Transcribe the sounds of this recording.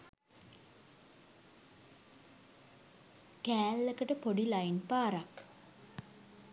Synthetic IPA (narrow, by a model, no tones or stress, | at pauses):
kæːlːekəʈəpoɖilainpaːɾak